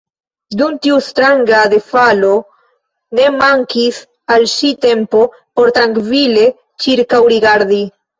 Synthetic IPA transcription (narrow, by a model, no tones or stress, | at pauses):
duntiustɾaŋɡad̪efalo̞ | ne̞maŋkis | alʃite̞mpo̞ | po̞ɾt̪ɾaŋkvile̞ | t͡ʃiɾkawɾiɡaɾd̪i